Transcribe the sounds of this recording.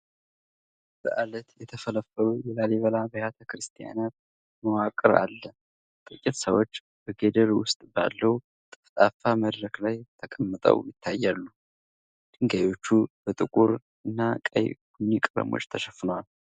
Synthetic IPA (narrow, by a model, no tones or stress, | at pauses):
b̥əʔalət̪jɛt̪ʰəfələfːəlujɛlaleβəlabəjat̪ʰəkɾɨst̪ʰʼija̰nat̪̚ | məwakʼɨɾa̰lːə | t̪ʼɨkʼːɪt̪səwot͡ʃː | b̥əɡed̪əɾwʊst̪ʼba̰lːəw | t̪ʼɨft̪ʼafaməd̪ɾəklajt̪ʰəkʼəmːɨt̪ʼə̰wjɪt̪ʰːajːalːu | d̪̥ɨŋɡajo̞t͡ʃːubət̪ʼɨkʼuɾ | ʔɨnːakʼə̰jɡunːikʼɨɾə̰mo̰t͡ʃʼːt̪ʰəʃɛfːɨnwal